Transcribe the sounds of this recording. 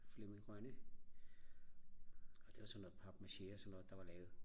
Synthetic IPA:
flemiɡ̥ʁɶnə | ɒ̽d̥e̝ʋɑ̈sɒnːo̽ð̩ˠpʰɒb̥mæɕesɒnːo̽ːð̩ˠd̥ɑ̈ʋɑ̈lɛːʊð̩ˠ

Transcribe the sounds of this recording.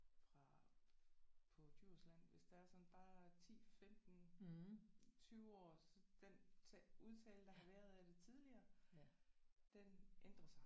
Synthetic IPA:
fʁɑ̈ | pʰɒ̽d̥yɐ̰slæn̰ʋe̝sd̥ɑ̈æɐsɒ̽nb̥ɑ̈ːt͡sʰḭːfemd̥n̩ | t͡sʰyːʊɒ̰ːsɒ̽d̥ent͡sʰuð̞ˠt͡sʰɛ̰ːləd̥ɑ̈ɦɑ̈ʋæɐðˠæd̥e̝t͡sʰið̞ˠliɐː | d̥enʔend̥ʁɐsɑ̈ɪ

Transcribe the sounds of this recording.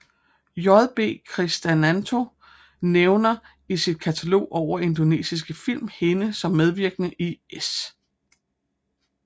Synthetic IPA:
jɒðˠb̥e̝̰ːkʰʁisd̥ænænt͡sʰo̝ | neʊnɐ | isid̥̚kʰæt͡sʰælo̝̰ːʔɒʊ̰ɐʔe̝nd̥one̝̰ːsis̬ɡ̥əfil̰mhe̝nəsɒ̽mːeð̞ˠʋiɐɡ̥ənəʔies

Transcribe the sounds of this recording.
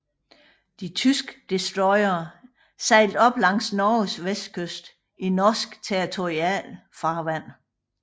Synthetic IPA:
d̥it͡sʰysɡ̥ə̥d̥esd̥ʁɔɪɐː | sɑ̈ɪld̥ɒ̽b̥lɑ̈ŋ̰snɒːsʋesd̥̚kʰøsd̥ | inɒːsɡ̥t͡sʰeʁit͡sʰo̝ʁiɛ̰lfɑ̈ːʋæn̰

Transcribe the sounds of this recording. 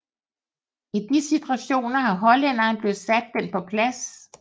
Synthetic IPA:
ed̥̚nisit͡sʰʁæɕo̝̰ːnɐɦɑ̈ɦɒ̽len̰ɐːnb̥le̝ð̩ˠsæd̥ːen̰pʰɒ̽pʰlæs

